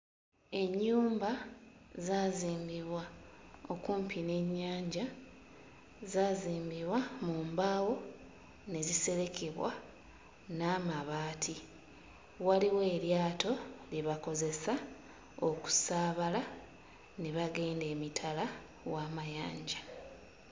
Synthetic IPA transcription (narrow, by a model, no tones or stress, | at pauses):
e̞ɲːuːmbazaːziːmbiβwaokuːmpine̞ɲːaːɲɟa | zaːziːmbiβwamuːmbawo̞ | ne̞zise̞ɾe̞keβwa̰ | naːmaβaːtʰi | waliwe̞ːɾjaːto̞liβako̞ze̞sa | oku̥saːβala | neβaɡe̞ːnde̞ːmitʰala | waːmajaːɲɟa